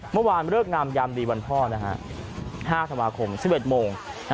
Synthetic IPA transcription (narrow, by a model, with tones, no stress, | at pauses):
mɯ˥˩əwaː˧nɾɯ˥˩ək̚na˧mja˧md̪iː˧ba˧npʰɔː˥˩na˦˥kʰa̰˦˥ʔhaː˥˩t̪ʰa˧nmwaː˧kʰo˧msi˨˩pʔe˨˩t̪̚moː˧ŋna˦